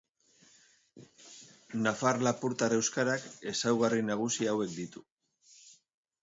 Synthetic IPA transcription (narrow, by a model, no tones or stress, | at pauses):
nafaɾlapuɾt̪aɾe̞wskaɾake̞sawɣarinaɣ̞usiawe̞k̚d̪it̪u̥